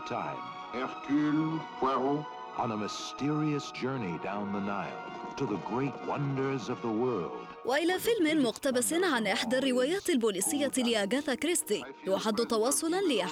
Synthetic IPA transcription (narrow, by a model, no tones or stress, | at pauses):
tʰã̰ɪ̃m | ɛʁkylkwɛʁo | ʔə̃nəmɨstɪɹiɨsd̥ʒ̥ɜ˞nidãʊ̃nðənaɪt | tʰɨðəɡɹeɪt̚wʌ̰̃ndə˞zʌvðəwɜ˞lˠd̥wʔaʔɪlaːfɪlmɪnmʊqt̪abasɪnʕanʔɪħd̪arːɪwaːjaːt̪ɪlbuːliːsɪjːalɪʔaɡaːθakɾɪst̪iwʔaħad̪ːʊt̪ɑwɑːsˤʊlnlɪʔa